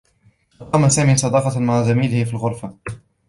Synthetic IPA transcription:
ɑqɑːmasaːmiːsˤɑd̪ɑːfɑmaʕazamiːlɪhɪfilɣʊɾˤfa

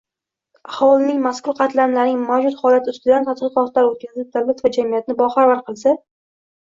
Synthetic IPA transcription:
ahɒlˠɪnɪŋmaskʰʊɾqʰɑt̪lanlaɾnɪŋmawd͡ʒʊt̪χɒlat̪ʰɪʊst̪ɪd̪ant̪ʰat̪qɨqɒt̪laɾot̪̚kʲʰazɪʃ̚d̪alɪt̪vad͡ʒamijat̪nɪbɒχaɾvaɾqʰɨlˠsa

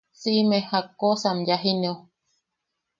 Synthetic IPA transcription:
simehakosamjaɦineo

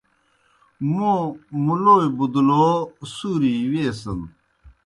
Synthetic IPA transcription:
mõmuloːibud̪loːsuɾiweːsən

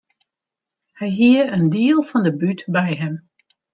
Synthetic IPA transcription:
hɛjɦiəəndiəlˠfɔndəbytbɛjɦɛm

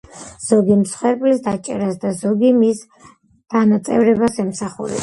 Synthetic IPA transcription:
z̥ɔɡimsχwɛɾpʼlisd̪at͡ʃʼɛ̰ɾasd̪azɔɡimis | d̪̥anat̪sʼɛ̰vɾɛbasɛmsaχṵɾɛ̰

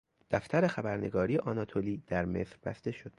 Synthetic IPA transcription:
d̪̥æft̪æɾe̞xæbæɾne̞ɡɒːɾijeʔɒːnɒt̪ʰoliːd̪̥æɾme̞̰sɾbæ̰st̪e̞ʃo̞d̪̥

